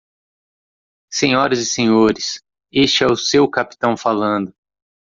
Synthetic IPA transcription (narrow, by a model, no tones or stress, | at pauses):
sẽɲɔɾɐzɪsẽɲoɾɪs | est͡ʃɪɛʊsewkapi̥t̪ɐ̃w̃falɐ̃nd̪ʊ